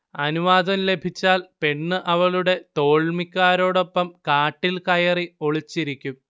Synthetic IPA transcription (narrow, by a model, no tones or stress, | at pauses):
ɐnuʋaːd̪ɐmle̞bʱit͡ɕːaːlpe̞ɳːɨʔɐʋɐɭuɽe̞t̪o̞ːɭmikʲːaːɾo̞ːɽo̞pːɐmkaːʈːilkɐjɐrio̞ɭit͡ɕːiɾikʲːum